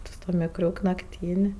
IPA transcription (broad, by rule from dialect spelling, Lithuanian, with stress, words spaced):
tʲɪ sʊ tuɔ mʲɪkˈrʲʊk nɐkˈtʲiːnʲ